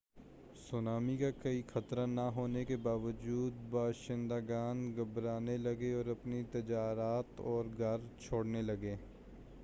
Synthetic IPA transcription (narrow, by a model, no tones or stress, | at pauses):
sʊnaːmikakɐixɐt̪ɾanɐɦoːnekebaːʋəd͡ʒuːd̪̚baːʃɪ̃nd̪aɡaːnɡɐbɾaːnelɐɡeɔːɾɐpnit̪ɐd͡ʒaːɾaːt̪ɔːɾɡʱɐɾt͡ʃʰoːɽnelɐɡeː